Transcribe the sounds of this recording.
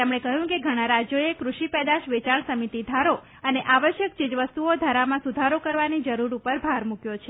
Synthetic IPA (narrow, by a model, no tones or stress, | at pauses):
t̪emɽ̃ekəɦjũkeɡʱəɽ̃ãɾad͡ʒjoekɾuʃipɛd̪aʃʋet͡ʃaɳsəmit̪id̪ʱaɾo | əneʔaʋəʃjək̚t͡ʃɪd͡ʒʋəst̪uod̪ʱaɾamãsud̪ʱaɾokəɾʋanid͡ʒəɾuɾupəɾbʱaɾmukjot͡ʃʰe